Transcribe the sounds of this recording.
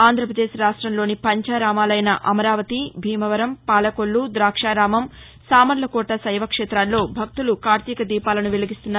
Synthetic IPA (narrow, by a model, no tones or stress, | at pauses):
aːnd̪ʱɾɐpɾɐd̪eːʃɾaːʂʈɾɐmlo̞ːnipɐɲt͡ʃaːɾaːmaːlɐjnɐʔɐmɐɾaːʋɐt̪ibʱiːmɐʋɐɾɐmpaːlɐkoɭːud̪ɾaːkʂaːɾaːmɐm | saːmɐɾlɐkɔːʈɐsɐjʋɐkʂeːt̪ɾaːnlo̞ːbʱɐk̚t̪ulukaːɾt̪ikɐd̪iːpaːlɐnuʋeliɡist̪unːaː